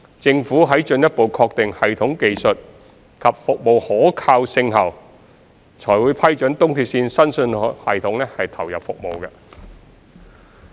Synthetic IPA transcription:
t͡sɪ˧ŋfuː˨˥ɦɐ˨˥jt͡ʃɵ˧njɐ˥t̚po˨wkʰɔː˧k̚t̪ɪ˨ŋhɐ˨jt̪ʰʊ˨˥ŋke˨jsɵ˨t̚ | kʰɐ˨p̚fʊ˨k̚mo˨whɔː˨˥kʰaː˧wsɪ˧ŋɦɐ˨˩w | t͡sʰɔː˨˩jwuː˨˥jpʰɐ˥jt͡ʃɵ˨˥nt̪ʊ˥ŋt̪ʰiː˨˧p̚siː˧nsɐ˥nsɵ˧n˨hɐ̰˨jt̪ʰʊ˨˧˥ŋlɛ˥hɐ˨jt̪ʰɐ˨˩wjɐ˨p̚fʊ˨k̚mo˨wɡɛ˧

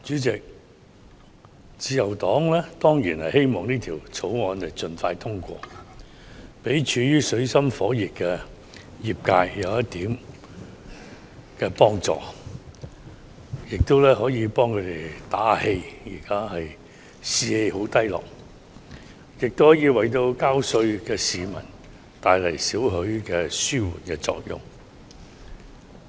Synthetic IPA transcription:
t͡ʃyː˨˥t͡sɪ˨k̚ | t͡siː˧jɐ˨˩wt̪ɔː˨˥ŋlɛː˥t̪ɔː˥ŋjiː˨˩nhɐ˨jhe˥jmɔː˨˩ŋniː˥t̪ʰiː˨˩wt͡sʰo˨˥wŋɔː˨˧nlɐ˨˩jt͡sɵ˨nfaː˧jt̪ʰʊ˥ŋkʷɔ̰ː˧ | pe˨˥jt͡ʃʰyː˨˧jyː˥sɵ˨˧˥ɥsɐ˥mfɔː˨˥jiː˨˩k̚kːɛː˧ | jiː˨˩p̚kaː˧jjɐ˨˧wjɐ˥tt̪iː˨˥m | kɛː˧pɔː˥ŋt͡sɔ̰ː˨ | jɪ˨k̚t̪o˥wlɛː˥ɦɔː˨˥jiː˨˧pɔː˥ŋkʰɵ˨˧t̪e˨jt̪aː˨˥he˧jjiː˨˩kaː˥hɐ˨j | siː˨˧he˧jho˨˥wt̪ɐ˥jlɔ̰ː˨k̚ | jɪ˨k̚t̪whɔ˨˥jiː˧wɐ˨jt̪o˧wkaː˥wsɵ˧ɥkɛː˧siː˨mɐ̰˨˩n | t̪aː˨˧jlɐ˨˩jsiː˨˥wɦɵ˨˥ɥkɛː˧syː˥wṵ˨˩nkɛː˧t͡sɔ̰ː˧k̚jʊ̰˨˩ŋ

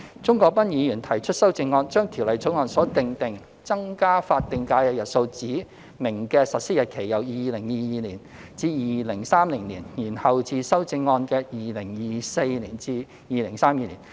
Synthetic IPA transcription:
t͡sʊ˥ŋkɔː˧k̚pɐ˥njiː˨˧jyː˨˩nt̪ʰɐ˨˩jt͡ʃʰɵ˥t̚sɐ˥wt͡sɪ˧ŋːɔː˧nt͡ʃœː˥ŋt̪ʰi˨˩wlɐ˨jt͡so˨˥wŋɔː˧nsɔː˨˥t̪ɪ˧ŋt̪ɪ˨ŋ | t͡sɐ˥ŋkaː˥faː˧t̚t̪ɪ˨˧ŋkaː˧jkɛː˧jɐ˨t̚so˧wt͡siː˨˥ | mɪ˨˩ŋkɛː˧sɐ˨t̚siː˥jɐ˨t̚kʰe˨˩jːɐ˨˩wjiː˨˧lɪ˨˩ŋjiː˧jiː˧liː˨˩n | t͡siː˧jiː˨˧lɪ˨˩ŋsaː˥mlɪ˨˩ŋliː˨˩njiː˨˩nhɐ˨wt͡siː˧sɐ˥wt͡sɪ˧ŋːɔː˧nkɛː˧jiː˨lɪ˨˩ŋjiː˨˧se˧jliː˨˩nt͡siː˧ | jiː˧lɪ˨˩ŋsaː˥mjiː˧˩liː˨˩n

